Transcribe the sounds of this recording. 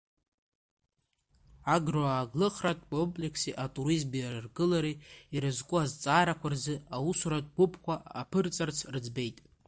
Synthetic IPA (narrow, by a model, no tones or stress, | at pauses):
aɡroaːɡlɨχratʼkʷʼo̞mpʼle̞kʰsiʔatʼuɾizmbiarɨrɡɨlaɾiiɾɨzkʷʼuazt͡sʼaːɾakʷʰarzɨausʷuɾatʼɡʷʊpʰkʷʰaapʰɨrt͡sʼart͡sʰrɨd͡zbe̞jtʼ